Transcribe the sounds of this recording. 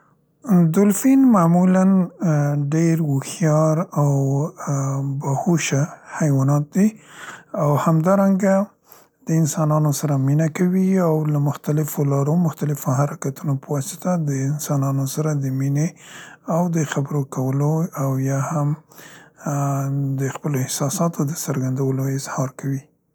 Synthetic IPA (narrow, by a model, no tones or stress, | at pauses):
d̪ʊlfinmamulan | ɖeɾwʊxjɑɾaw | bahuʃahajwɑnɑt̪̚d̪i | awhamd̪ɑɾaŋɡa | d̪̥əɪnsɑnɑnosaɾaminakawiawlamʊxt̪alɪfolɑɾomʊxt̪alɪfohaɾakat̪unopəwɑsɪ̥t̪ad̪əɪnsɑnɑnosaɾad̪əmineawd̪əxabəɾokawəloawjɑham | d̪əxpəloɪhsɑsɑt̪od̪əsəɾɡand̪awəloɪzhɑɾkawi